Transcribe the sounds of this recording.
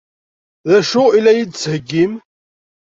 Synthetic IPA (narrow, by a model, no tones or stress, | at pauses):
ðæʃʊilːæjid̪t͡sːhəɡːim